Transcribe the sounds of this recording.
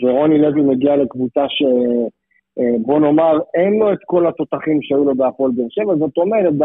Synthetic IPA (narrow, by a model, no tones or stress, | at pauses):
veʁo̞nilevilmeɡiale̞kvut͡saʃe̞ | bo̞no̞maʁenlo̞et̪ko̞lat̪o̞t̪aχimʃeajulo̞beapo̞lbeʃevazot̪o̞medet̪̚b